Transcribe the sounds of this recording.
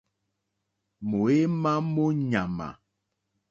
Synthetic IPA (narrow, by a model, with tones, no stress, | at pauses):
mo˨e˦ma˦mo˦ɲa˨ma̰˨